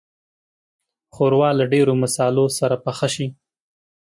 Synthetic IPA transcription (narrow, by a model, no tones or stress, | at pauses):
xoɾwɑlaɖeɾomasɑlosaɾapəxaʃi